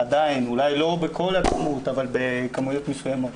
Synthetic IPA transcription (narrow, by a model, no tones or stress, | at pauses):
ad̪ainulajlo̞bekʰo̞lat͡smut̪avalbe̞kamujo̞t̪mesujamo̞t̪